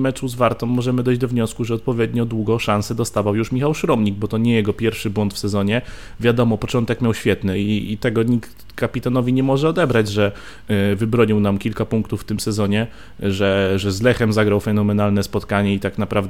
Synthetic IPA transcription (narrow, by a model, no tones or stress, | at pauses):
mɛt͡ʂuzvaɾt̪ɔ̃mːɔʐɛmɘd̪ɔjʑd͡ʑd̪ɔvɲɔskuʐɛɔt̪̚pɔvʲjɛd̪ɲɔd̪wuɡɔʂansɛd̪ɔst̪avawjuʂmʲixawʂɾɔmɲiɡ̚bɔt̪ɔɲɛjɛɡɔpʲjɛɾfʂɘbwɔnt̪fsɛzɔɲɛ | vʲjad̪ɔmɔpɔt͡ʂɔnt̪ɛkmʲjawɕfʲjɛt̪nɘiːt̪ɛɡɔɲikt̪ | kːapʲit̪anɔvʲiɲɛmɔʐɛɔd̪ɛbɾad͡ʑʐɛ | vɘbɾɔɲiwnamkʲilkapuŋkt̪ufːt̪ɘmsɛzɔɲɛ | ʐɛʐɛzlɛxɛmzaɡɾawfɛnɔmɛnalnɛspɔt̪kaɲɛit̪aknapɾavd̪